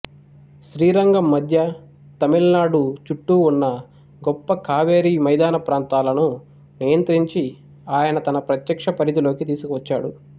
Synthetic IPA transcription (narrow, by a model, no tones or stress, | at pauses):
ʃɾiːɾɐŋɡɐmːɐd̪ʱjɐ | t̪ɐmilnaːɽut͡ʃuʈːuːnːɐ | ɡɔpːɐkʰaːʋeːɾiːmɐjd̪aːnɐpɾaːnt̪aːlɐnu | nijɐnt̪ɾiɲt͡ʃi | aːjɐnɐt̪ɐnɐpɾɐt̪jɐkʂɐpɐɾit̪ilo̞ːkit̪iːsukuʋɐt͡ʃːaːɽu